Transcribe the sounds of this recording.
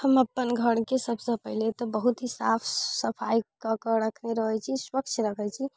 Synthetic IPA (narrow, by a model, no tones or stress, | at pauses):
həməpːənɡʱəɽkesəbsə̃pəɪlet̪ɔbəɦut̪ɦisapʰsəpʰajkəkəɾəkʰneɾəɦɛt͡ʃʰiswəkt͡ʃʰɾəkʰɛt͡ʃʰi